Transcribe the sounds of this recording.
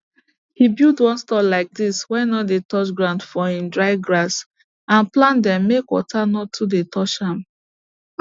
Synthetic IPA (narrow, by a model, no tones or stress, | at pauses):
hibildwɔ̃nstɔlaɪk̚diswɛnɔtdetɔt͡ʃɡɹãʊ̃ndfɔĩmdɹaɪɡɹas | ãnplãndɛ̃mːekwɔ̰tʰanɔtʰːudetʰɔʃãm